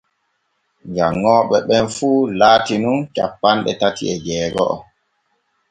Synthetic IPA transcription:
d͡ʒaŋːɔɓɛɓɛnfuːlaːtinunt͡ʃa̰pːanɗɛtatḭɛd͡ʒɛːɡɔ̰ʔɔ̰

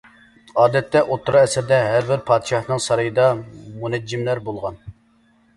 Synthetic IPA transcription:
ɑːd̪ɛt̪ʰːɛʔot̪ʰːɾɑɛsɪɾɪd̪ɛɦæɾbɪɾpʰɑːd̪ɨʃɑhnɨŋsɑɾɨjɨd̪ɑmunɛd͡ʒːɪmlæɾbolˠʁɑn

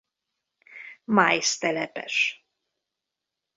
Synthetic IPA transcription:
majst̪ɛlɛpɛ̰ʃ

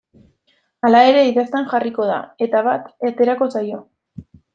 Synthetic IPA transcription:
alae̞ɾe̞iðast̪eŋʝariko̞ð̞a̰e̞t̪aβat̪at̪e̞ɾako̞sajo̞

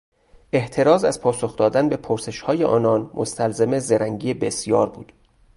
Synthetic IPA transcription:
ʔe̞ht̪ʰe̞ɾɒːzæzpʰɒːsoxd̪ɒːd̪ænbe̞pʰoɾse̞ʃhɒːjeʔɒ̰ːnɒːnmʔost̪ʰælzemezeɾæŋɟiːebesjɒːɾbṵːd̪̥

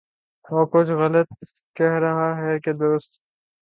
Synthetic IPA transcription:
oːkʊt͡ʃʰɣɐlət̪̚ | kɛɦɾɐɦaɦɛked̪ʊɾʊst̪

